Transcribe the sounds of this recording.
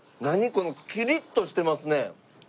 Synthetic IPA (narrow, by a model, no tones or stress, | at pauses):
naɲ̟iko̞no̞kʲiɾʲit̪ːo̞ɕi̥t̪e̞masɨne̞